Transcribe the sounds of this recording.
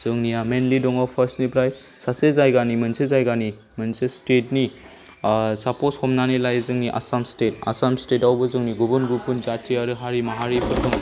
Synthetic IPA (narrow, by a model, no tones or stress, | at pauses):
z̥ɯŋnijamenlidɔŋapʰɐɾsnipɾaj | sasezajɡanimɯnsezajɡani | mɯnsestetni | sapɔshɔmnanilajzɯŋniʔa̰samsteta̰samstetawbɯzɯŋniɡɔbɯnɡupʰunzatʰiaɾɯɦaɾimaɦaɾipʰɯɾtʰɯŋ